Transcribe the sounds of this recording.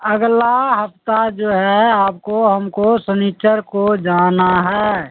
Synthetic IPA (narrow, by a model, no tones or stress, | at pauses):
əɡlaɦəpt̪ad͡ʒoːɦɛaːp̚koɦəmkosəniːt͡ʃəɾkod͡ʒaːnaɦɛ